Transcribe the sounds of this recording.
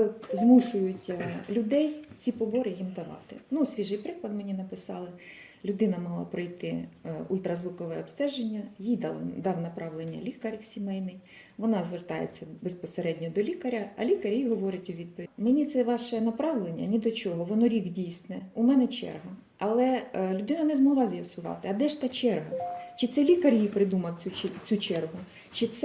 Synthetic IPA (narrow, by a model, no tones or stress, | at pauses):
zmuʃʊjʊtʲlʲʊd̪ɛjt͡sʲipɔbɔɾɪjimd̪ɐʋɑ̰t̪ɪ̰nusʲʋʲiʒɪjpɾɪklˠɐd̪menʲinɐpɪsɑlˠɪ | lʲʊd̪ɪnɐmɑɦlˠɑ̰pɾɔjt̪ɪṵlʲt̪ɾɐzʋukɔʋɛɔpst̪ɛʒenʲːɐjijd̪d̪ɑwnɐpɾɑʋlˠenʲːɐ̰lʲikɐɾʲwsʲimɛjnɪj | ʋɔnɑzʋert̪ɑjḛt͡sʲːɐbespɔseɾɛdʲnʲɔd̪ɔlʲikɐɾʲɐɐ̰lʲikɐɾʲjijɦɔʋɔɾɪtʲʊʋʲid̪̚pɔʋʲmenʲit̪sɛʋɑʃɛnɐpɾɑʋlˠenʲːɐ̰nʲid̪ɔt͡ʃɔɦɔʋɔnɔɾʲiɡdʲijsnɛʊmɛnɛt͡ʃɛ̰rɦɐ | ɐlˠɛlʲʊd̪ɪnɐnɛzmɔɦlˠɑzʲjɐsʊʋɑ̰t̪ɪɐd̪ɛʃt̪ɑt͡ʃɛrɦɐt͡ʃɪt̪sɛlʲikɐrʲjijpɾɪd̪umɐwʲut͡sʲut͡ʃɛrɦʊ | t͡ʃɪt̪sɛ